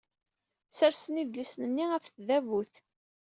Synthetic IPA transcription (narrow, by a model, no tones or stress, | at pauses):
səɾsəniðlisnənːiæfθðævuθ